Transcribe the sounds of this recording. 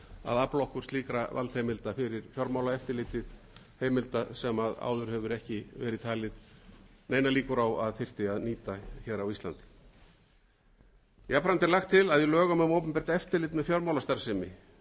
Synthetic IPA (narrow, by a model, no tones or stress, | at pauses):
a̰ðaplowhkʏɾ̥sliːkɾava̰lt̪hejmɪlt̪afɪɾɪɾ̥fjɔɾmawlaɛft̪ɪlɪt̪ɪð | heːjmɪlt̪asɛmaða̰wðʏɾ̥hɛvʏɾɛhcɪvɛːɾɪðt̪ʰaːlɪðneːjnaliːkʏɾawa̰ðfɪr̥t̪ɪaðniːt̪açɛðɾawist̪la̰nt̪ɪ̥ | japɾant̪ɛɾlaxt̪ʰːɪlaðjʏlœːɣamamowpʏmpɛɾ̥t̪aɛft̪ɪlɪːt̪mɛfjɔɾmawlast̪aɾ̥sɪmɪ̰